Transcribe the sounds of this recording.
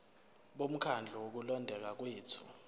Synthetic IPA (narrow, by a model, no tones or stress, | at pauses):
ɓom̩kʰand͡ɮʱɔwok̬ulɔndʱɛk̬ak̬weːtʰu̥